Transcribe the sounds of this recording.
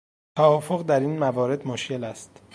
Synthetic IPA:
t̪ʰæɒːfoɣd̪æɾiːnmævɒːɾe̞d̪moʃce̞læst̪

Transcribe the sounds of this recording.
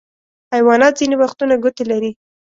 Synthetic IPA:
hajwɑnɑt̪̚zinewaxt̪unaɡʊt̪elaɾi

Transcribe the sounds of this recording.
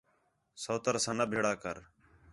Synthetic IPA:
soːt̪əɾsãːnəbʱeːɽaːkəɾ

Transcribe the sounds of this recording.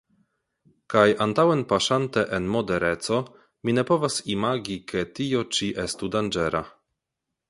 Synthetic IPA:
kajantawenpaʃanteʔenmo̞deɾet͡so̞ | mine̞po̞vasimaɡikʰetio̞t͡ʃiʔestudand͡ʒeɾa̰

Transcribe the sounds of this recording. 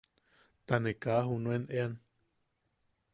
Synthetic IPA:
t̪anekaɦunuenʔean

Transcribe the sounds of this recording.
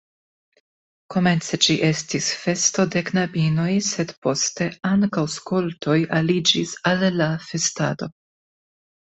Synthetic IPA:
ko̞me̞nt͡se̞d͡ʒiʔe̞stisfe̞sto̞de̞knabino̞jse̞dpo̞ste̞aŋkawskoltʰo̞jalid͡ʒisalːafe̞sta̰do̞

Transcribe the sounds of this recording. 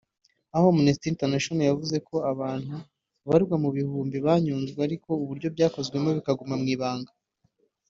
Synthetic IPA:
aho̞minisitiinteɾnaʃonojavuze̞kʰo̞aβaːn̥hu | βaɾɡwamuβihuːmbiβaːɲuːnzɡweaɾiko̞uβuɾɟo̞bɟaːko̞zɡwe̞mo̞βikaɡumamŋiːβaːŋɡa

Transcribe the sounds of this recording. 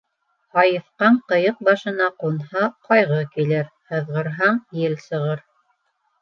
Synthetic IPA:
ɑjɤ̆fqɑɴqɤ̆jɤq̚bɑʃɤ̆nɑqunhɑqɑjʁɤkilɘɾhɤ̆ðʁɤ̆ɾɦɑɴjɘlsɤ̆ʁɤɾ

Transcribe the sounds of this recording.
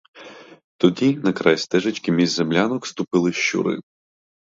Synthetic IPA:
t̪ɔdʲinɐkɾɑjst̪ɛʒɪt͡ʃkʲimʲizʲzemlʲanɔkst̪ʊpɪlˠɪʃt͡ʃṵɾɪ̰

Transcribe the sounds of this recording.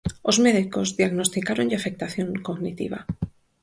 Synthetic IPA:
o̞zme̞ðiko̞zðjaɣno̞st̪ikaɾo̞nafe̞k̚t̪aθjoŋkoɣnit̪ḭβa̰

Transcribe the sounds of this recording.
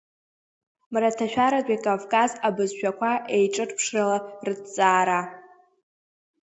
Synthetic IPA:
mratʰaʃᶣaɾatʷʼakʼavkʼazabɨzʃᶣakʷʰaʔejʈ͡ʂʼɨʈ͡ʂʼpʰʂralarɨdt͡sʼaːɾa

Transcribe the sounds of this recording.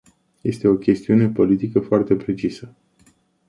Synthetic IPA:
je̞st̪e̞o̞kʲe̞st̪iune̞po̞lit̪ikəfoart̪e̞pɾe̞t͡ʃisə

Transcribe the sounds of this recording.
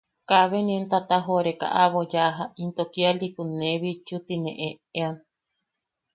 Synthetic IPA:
kaβenient̪at̪aɦoɾeka̰ʔaβojaɦaint̪okialikuneβit͡ʃut̪inḛ̃ʔe | ean

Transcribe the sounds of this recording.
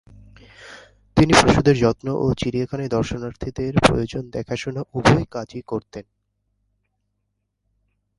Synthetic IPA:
t̪inipɾoʃud̪eɾd͡ʑɔt̪noʔot͡ɕiɾiekʰaned̪ɔɾʃonaɾt̪ʰid̪eɾpɾo̰jod͡ʑond̪ɛkʰaʃunaʔubɔekad͡ʑikoɾt̪en

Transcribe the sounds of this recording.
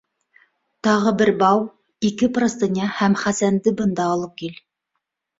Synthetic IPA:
t̪ɑʁɤbɘɾbɑw | ikɘprŏst̪ɤ̆nʲɑhæmχæsænd̪ɘbɤ̆nd̪ɑːlˠɤp̚kil

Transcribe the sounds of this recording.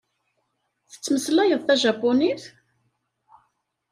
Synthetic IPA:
θə̥t͡sːməslæjəðˤθæʒapːʊniθ

